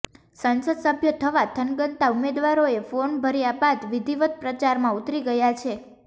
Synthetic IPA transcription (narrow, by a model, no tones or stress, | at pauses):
sənsəd̪səbʱjət̪ʰəʋat̪ʰənɡənt̪aumed̪ʋaɾoefonbʱəɾijabad̪ʋid̪ʱiʋət̪̚pɾət͡ʃaɾmãut̪ɾiɡəjat͡ʃʰe